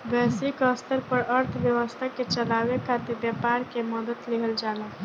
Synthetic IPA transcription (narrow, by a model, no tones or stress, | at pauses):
bɛːsikəst̪əɾpəɾəɾt̪ʰʋjəwəst̪ʰəket͡ʃəlaːwekʰat̪ebjapaːɾkeməd̪ət̪lɪɦəld͡ʒaːlaː